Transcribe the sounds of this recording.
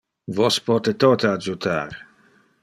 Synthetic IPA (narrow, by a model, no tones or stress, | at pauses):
vɔspɔt̪et̪oːt̪ead͡ʒut̪ʰa̰ːɾ